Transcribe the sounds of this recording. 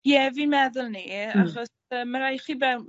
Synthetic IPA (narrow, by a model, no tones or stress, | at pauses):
jɛviːnmɛðʊlˠniaχɔs | əːməɾajχibɛwn